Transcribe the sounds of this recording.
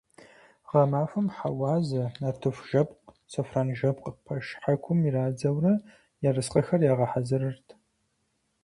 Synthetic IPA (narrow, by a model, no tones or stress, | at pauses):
ʁɐmaːfɨmħawɑːzɐnaːtʰɨfʒ̥ɐpq | sɐfraːnʒɐp̚qəpʰɐʃħakʷʰʊmiraːd͡zɐwrɐ | jarɨsqʼɐxɐrjaːʁɐħazɐɾɨrtʰ